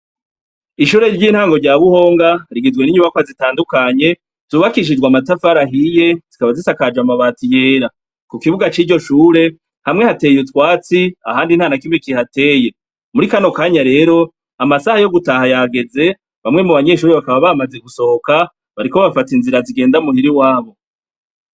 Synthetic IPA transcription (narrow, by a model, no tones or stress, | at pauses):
iʃuːɾe̞ɾɟiːnhaːŋɡo̞ɾɟaːβuho̞ːŋɡaɾiɡizɡweniɲuβakwazitaːndukaɲe̞ | z̥uːβakiʃ̬id͡ʒɡwamatafaɾaɦije̞z̥ikaβazisakad͡ʒamaβaːtije̞ːɾa | kukiβuɡat͡ʃiːɾɟo̞ʃuːɾe̞ | hamŋe̞hate̞ːjutwaːt͡siahaːndin̥haːnakimekihate̞ːje̞ | muɾikano̞kaːɲaɾe̞ːɾo̞ | amasahajo̞ɡutahajaɡe̞ze̞ | βamŋe̞muβaɲe̞ʃuːɾeβakaβaβamaze̞ɡuso̞hoka | βaɾiko̞βafatinziɾaziɡe̞ːndaumuhiɾiwaːβo̞